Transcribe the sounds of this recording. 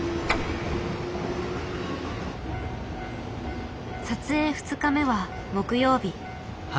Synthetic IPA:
sat͡sɨe̞ːɸɯ̟̥t͡sɨkame̞βa | mo̞kɯ̟jo̞ːbʲi

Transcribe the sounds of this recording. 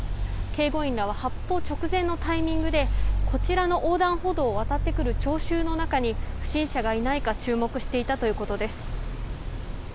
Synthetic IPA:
ke̞ːɡo̞ĩnɾaβ̞ahapːo̞ːt͡ɕo̞kɯ̟zẽ̞nːo̞t̪aimʲĩŋɡɯ̟d̪e̞ko̞t͡ɕiɾano̞ʔoːd̪ãɰ̃ɦo̞d̪o̞ːβat̪at̪ːe̞kɯ̟ɾɯ̟t͡ɕo̞ːɕɨːno̞nakaɲ̟iɸɯ̟̥ɕĩɰ̃ɕaɡainaikat͡ɕɨːmo̞kɯ̟ɕi̥t̪e̞it̪at̪o̞jɯ̟ːkot̪o̞d̪e̞sɨ̥

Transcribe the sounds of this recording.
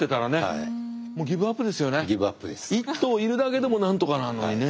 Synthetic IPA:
t̪e̞t̪aɾane̞a̰ | moːɡʲibɯ̟apːɯ̟d̪e̞sɨjo̞ne̞ɡʲibɯa̰pːɯd̪esit̪ːo̞ːiɾɯ̟d̪ake̞d̪e̞mo̞nãnt̪o̞kananːo̞ɲɲine

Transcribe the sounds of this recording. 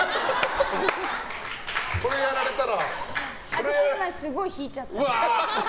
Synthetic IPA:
koɾejaɾaɾe̞t̪aɾa | aɾanasɯɡoçit͡ɕat̪̚ː

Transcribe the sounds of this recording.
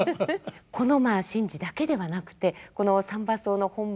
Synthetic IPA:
kʰo̞no̞maːɕĩɲ̟d͡ʑid̪ake̞d̪e̞βanakɯ̟̥t̪e̞ko̞no̞sãmbaso̞ːno̞hõ̞m

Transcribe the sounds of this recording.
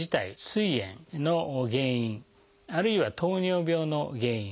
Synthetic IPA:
it̪aisɨiẽ̞̰ŋnoɡẽ̞ːĩɴ | aɾɯ̟iβat̪o̞ːɲʲo̞ːbʲo̞ːno̞̰ɡẽ̞ːĩ

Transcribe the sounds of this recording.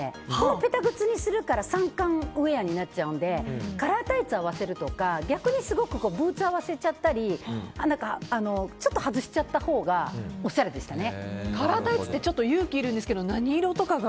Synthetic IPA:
kope̞t̪aɡɯ̟t͡sɨɲ̟isɨɾɯ̟kaɾasãŋkãɰɯ̟e̞jaɲ̟inat̚t͡ɕaɯ̟̃nd̪e̞kaɾaːt̪ait͡sɨaβ̞ase̞ɾɯ̟t̪o̞kaɡʲakɯ̟ɲ̟isɨɡo̞kɯ̟ko̞ːbɯ̟ːt͡sɨaβ̞ase̞t͡ɕat̪ːaɾʲinãŋkaːno̞t͡ɕo̞t̪ːo̞hazɨɕi̥t͡ɕat̪ːaho̞ːɡao̞ɕːaɾe̞d̪e̞ɕi̥t̪ane̞kaɾaːt̪ait͡sɨ̥t̪ːet͡ɕo̞t̪ːojɯ̟ːkʲiːɾɯ̟nd̪esɨ̥ke̞d̪onaɲ̟iːɾo̞t̪o̞kaɡa

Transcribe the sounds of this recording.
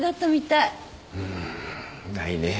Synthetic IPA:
ɡat̪ːomit̪a | ɯ̃ | naine

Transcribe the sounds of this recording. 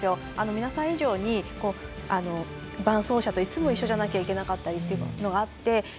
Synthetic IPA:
sɨjo̞ | anomʲinasãɰ̃iʑo̞ːɲ̟iko̞ːano̞ | bãɰ̃so̞ːɕat̪oit͡sɨmo̞iɕːoʑanakʲaikʲe̞nakat̪ːaɾʲit̪ːeiɯno̞ɡaːt̪ːe̞

